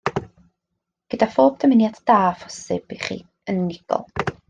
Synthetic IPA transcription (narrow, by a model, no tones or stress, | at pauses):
ɡ̥ədafoːb̚dʰəmɪnjadd̥aːfɔ̥sɪb̥iχḭː | ənːɪɡ̥ɔ̰lˠ